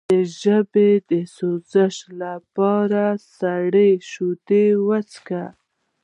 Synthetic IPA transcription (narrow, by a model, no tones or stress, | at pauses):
əʒəbed̪əsozəʃlapɑɾasaɽeʃud̪ewat͡ska